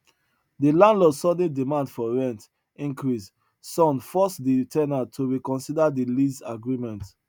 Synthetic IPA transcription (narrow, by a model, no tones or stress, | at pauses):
dilãndlɔdsɔd̩̃dimãndfɔɹɛ̃nt | ĩŋkɹis | sɔ̃nfɔsditʰɛnatʰuɹikɔ̃nsidadilizaɡɹimɛ̃nt